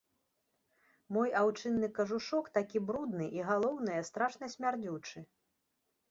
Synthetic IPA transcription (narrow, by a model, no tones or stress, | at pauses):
mɔjawt͡ʂɨnːɨkɐʐuʂɔkt̪akʲibɾud̪nɨʔiɣalˠɔwnɐjɛst̪ɾaʂnɐsʲmʲard͡zʲut͡ʂɨ